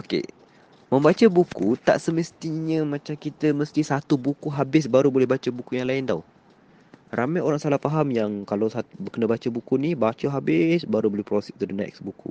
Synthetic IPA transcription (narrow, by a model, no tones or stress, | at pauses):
okḛ | mə̃mbat͡ʃəbukut̪a̰ʔsəməst̪iɲə̃mãt͡ʃamkit̪əməst̪isat̪ubukuɦabɪs̬baɾubolɛhbat͡ʃəbukujaŋlaɪnd̪aw | rʔamajoɾaŋsalahpaɦamjaŋkalawsat̪bəkənabat͡ʃəbukunibat͡ʃəɦabɪsbaɾubolɛhpɾosɛk̚t̪udənɛ̰k̚sbukṵ